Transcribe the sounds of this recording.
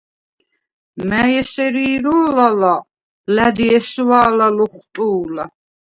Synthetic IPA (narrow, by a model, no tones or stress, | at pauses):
mæjɛsɛɾiːɾɔlala | læd̪iɛswaːlaluχt̪ʼuːla